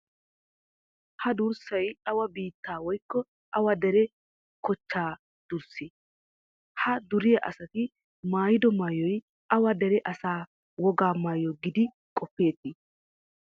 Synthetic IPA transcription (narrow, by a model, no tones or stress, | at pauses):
hɐd̪ʊɾsɐjɐwɐbiːt̪ːaːwɔjkːɔ | ʔɐwɐd̪ɛɾɛ | kɔt͡ʃːaː | d̪̥ʊɾsɪ | hɐd̪ʊɾɪjɐʔɐ̰sɐt̪ɪ | maːjɪd̪ɔmaːjɔj | ʔɐwɐd̪ɛɾɛʔɐsaː | wɔɡaːmaːjɔɡɪd̪ɪ | kʼɔpːe̞ːt̪ːɪ